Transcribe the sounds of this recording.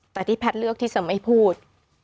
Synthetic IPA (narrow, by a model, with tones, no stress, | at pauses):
t̪ɛː˨˩t̪ʰiː˥˩pʰɛ˦˥t̪̚lɯ˥˩ək̚t̪ʰiː˥˩t͡ɕa˧˦ma˥˩jpʰuː˥˩t̪̚